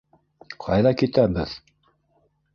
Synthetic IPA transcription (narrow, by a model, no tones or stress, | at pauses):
qʰɑ̰jðɑkit̪æbɘð